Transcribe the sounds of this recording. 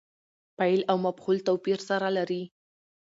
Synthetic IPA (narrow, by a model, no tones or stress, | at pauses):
pajlawmafxult̪awpiɾsaɾalaɾi